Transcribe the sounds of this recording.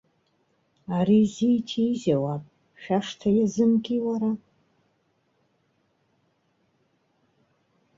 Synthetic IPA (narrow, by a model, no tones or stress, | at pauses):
aɾizitʰiːzawapʼ | ʃᶣaʂtʰajazɨmɡʲʼiwaɾa